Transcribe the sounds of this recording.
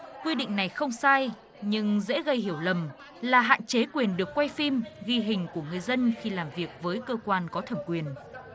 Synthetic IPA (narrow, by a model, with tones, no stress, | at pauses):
kwi˧ɗḭ˧˨ŋ̟na˨˩jxə˧wŋ͡msaː˧j | ɲɨ˧ŋzḛ˧˥ɣə˧jɦi˧˩əwlə˨˩m | laː˨˩ɦa̰ː˧˨nt͡ɕe˨˦kwi˨˩ənɗɨ˨˩ək̚ːwa˧jfi˧mɣi˧ɦï˨˩ŋ̟ku˧˩əŋɨ˨˩əjzə˧nxi˧laː˨˩mvi˨˩ək̚vəː˨˦jkəː˧kwaː˧nkɔ˨˦t̪ʰə˧˩mkwi˨˩ən